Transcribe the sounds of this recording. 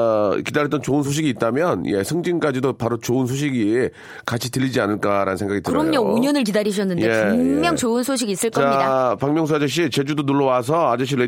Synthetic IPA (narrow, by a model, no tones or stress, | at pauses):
kidaɾjʌt͈ʌnt͡ɕoɯnsʰoɕ̬ʰiɡiːt̚t͈amjʌnjesʰɯŋd͡ʑiŋk͈ad͡ʑidopaɾot͡ɕoɯnsʰoɕ̬ʰiɡi | kat͡ɕʰitɯʎːid͡ʑianɯɭk͈aɾa̰nɯnsʰe̞ŋɡaɡitɯɯɾʌmɲouɲʌnɯɭk̬idaɾiɕ̬ʰʌnːɯnjee̞ɯmjʌŋt͡ɕoɯnsʰoɕ̬ʰiɡis͈ɯɭk͈ʌapaŋmjʌŋs̬ʰuad͡ʑʌɕ̬͈ʰit͡ɕe̞d͡ʑudonuɭːʌwas̬ʰʌad͡ʑʌɕ̬͈ʰiɾe